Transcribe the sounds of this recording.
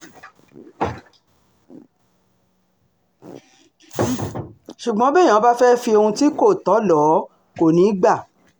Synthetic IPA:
ʃu˨ɡ͡bɔ̃˨˦bɛ̃˦˨ã˨˦ba˦fɛ˦fi˧o˧hũ˧ti˦ko˦˨tɔ˨˦lɔ˨˦ | ko˨nĩ˨˦ɡ͡ba˦˨

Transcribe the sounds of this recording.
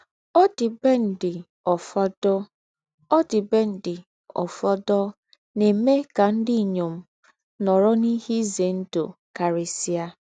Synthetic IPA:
ɔ˦dɪ˨be˦n̩˨dɪ˨ | ɔ˨fɔ˦dɔ˦ | ɔ˦dɪ˨be˦n̩˨dɪ˨ | ɔ̰˨fɔ˦dɔ˦ | ne˨me˦ka˨n̩˦dɪ˦˨ɲo˨m̩˦ | nɔ˨ɾɔ˦ni˦hi˦ze˨n̩˦do̰˨ka˨ɾe˨si˦a˦

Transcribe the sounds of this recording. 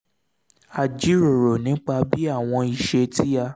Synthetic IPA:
a˨d͡ʒi˨˦ɾo˨ɾo˨nĩ˨˦k͡pa˧bi˦a˦˨w̃ɔ̃˧i˨ʃe˧ti˦ja˧

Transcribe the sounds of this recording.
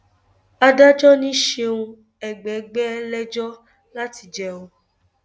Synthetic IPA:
a˧da˦d͡ʒɔ˦nĩ˦ʃe˧ũ˧ | ɛ˨ɡ͡bɛ˨ɡ͡bɛ˦ɛ˧lɛ˦d͡ʒɔ˦ | la˦ti˧d͡ʒɛ˦o˧

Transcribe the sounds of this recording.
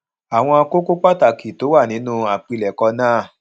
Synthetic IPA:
a˨w̃ɔ̃˧a˧ko˦ko˦k͡pa˦ta˨ki˨to˨˦wa˦˨nĩ˨˦nũ˦a˨k͡pi˧lɛ˨kɔ˧nãː˦˨

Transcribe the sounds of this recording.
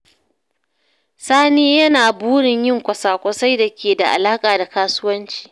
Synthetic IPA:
saː˦niː˦jɐ˦naː˨buː˦ɽɪ˨ɲjɪ˦˨ŋkʷɐ˨saː˨kʷʊ˦sa˦jda˨kʲʰeː˨da˨ʔa̰˨laː˦kʼaː˨da˨kaː˦sʊ˦wɐ˦nt͡ʃi̥ː˨

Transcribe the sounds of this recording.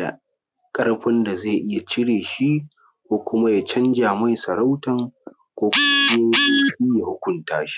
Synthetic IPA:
a̰˨ | kʼɐ˦ɽɸɐ˦nda˨zeː˦˨ʔɪ˦ja˨t͡ʃɪ˦ɽeː˨ʃi˦ | kʷoː˦kʷʊ˦ma˦ja˨t͡ʃɐ˦nd͡ʒaː˨mɐ˦˨jsɐ˨ɽa˦wtɐ˨ŋ | kʷoː˦kʷʊ˦ma˦d͡ʒe˦se˨jɸʲiː˦ja˨hʊ˦kʷʊ˦ntaː˦ʃi̥˦

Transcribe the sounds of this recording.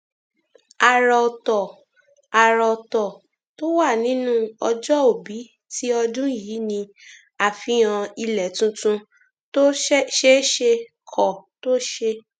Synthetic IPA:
a˧ɾɔ˧tɔ˨ | a˧ɾɔ˧tɔ˨ | to˦wa˦˨nĩ˨˦nũ˦ɔ˧d͡ʒɔ˦o˦˨bi˨˦ | ti˦ɔ˧dũ˦˨jiː˨˦nĩ˧ | a˨fĩ˨˦ã˧i˧lɛ˨tũ˧tũ˧ | to˦ʃe˦ʃe˧ | kʰɔ˨to˦ʃe˧

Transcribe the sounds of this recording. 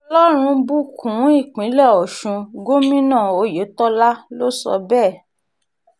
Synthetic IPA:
ɔ˧lɔ˦ɾ̃ũ˧bu˦kʰũ˨˦i˦˨k͡pĩ˨˦lɛ˦˨ɔ˨ʃũ˧ɡo˦mĩ˦nãː˦˨o˧je˨˦tɔ˦la˦lo˦sɔ̰˧bɛː˦˨

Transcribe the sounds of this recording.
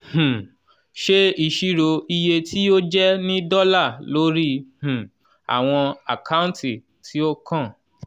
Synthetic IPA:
h̩˨ | ʃe˦i˦˧ʃi˦ɾo˧i˧je˧tʰi˦o˦d͡ʒɛ˦nĩ˦dɔ˦la˦˨lo˨˦ɾi˦h̩˨ | a̰˨w̃ɔ̃˧a̰˨ka˦ũ˦nti˦˨ | tʰi˨˦o˦kã˦˨

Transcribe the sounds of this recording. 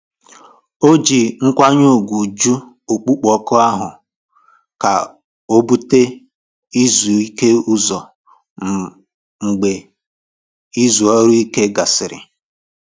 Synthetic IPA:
o˦d͡ʒi˨ŋ̩˦kʷa˦ɲo˦˨ɡʷu˨d͡ʒu˦ | o˨k͡pu˦k͡pɔ˨kʊ˦a˦ɦʊ˨ | ka˨ | o˦bu˦te˦ | i˦zu˨i˦ke˦u˦zɔ˨ | ŋ͡m̩˨ɡ͡be˨ | i˦zu˨ɔ˦ɾu˦i˦ke˦ɡa˨sɪ˨ɾɪ̰˨

